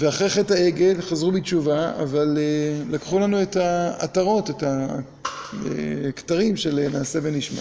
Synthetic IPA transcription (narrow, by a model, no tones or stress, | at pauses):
veaχʁeχetaeɡelχazʁubit͡ʃuvaa̰valelakχulanue̞taa̰taʁo̞te̞ta | ḛktaʁimʃelenaːse̞beniʃma̰